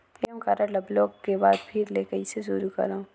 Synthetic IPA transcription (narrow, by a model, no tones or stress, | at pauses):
eːmkaɾəlɐbloːkkebaːd̪pʰɪɾleːkəiseʃʊɾukɐ̰ɾaũ